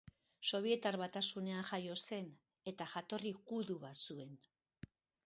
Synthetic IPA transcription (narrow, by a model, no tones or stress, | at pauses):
so̞β̞ie̞t̪arβat̪asune̞anʝajo̞se̞n | e̞t̪aʝat̪o̞rikuðuβasue̞n